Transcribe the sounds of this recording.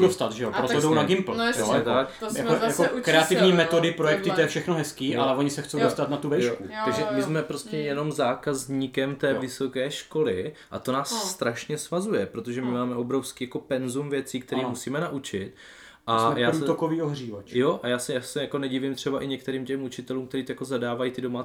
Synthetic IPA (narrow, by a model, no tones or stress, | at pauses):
dost̪at̪ʒɛopɾot̪odownaɡɪmpl̩rɛsɲɛt̪akjaojakoukɾɛat̪ɪvɲiːmɛt̪odɪpɾojɛkt̪ɪɛjɛfʃɛxnoɦɛskiːʔalɛoɲɪsɛxt͡sowdost̪at̪nat̪uvɛjjokut̪aɡʒɛmɪzmɛpɾo̞scɛjɛno̞mzaːkazɲikɛmt̪ɛːvɪso̞kɛːʃko̞lɪʔa̰t̪o̞naːsːt̪ɾaʃɲɛsvazujɛpɾo̞t̪oʒɛmɪmaːmɛʔo̞bɾo̞fskiːjako̞pɛnzumvjɛt͡siːkt̪ɛɾiːmusiːmɛnaʔut͡ʃɪt̪̚ | ʔamɛjaːɾut̪okoviːoɦriːvat͡ʃjo̞ʔajaːsɛjaːsɛjakonɛɟɪvɪmt̪r̥ɛbaʔɪɲɛk̚t̪ɛɾiːmcɛmut͡ʃɪt̪ɛluːmkt̪ɛɾiːt̪ojako̞zadaːvajit̪ɪdoma